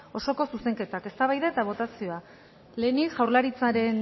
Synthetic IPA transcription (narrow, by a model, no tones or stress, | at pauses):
o̞so̞ko̞suse̞ŋke̞t̪ake̞st̪aβajðaet̪aβ̞o̞t̪asio̞a | le̞ːnikʝawɾlaɾit͡saɾe̞n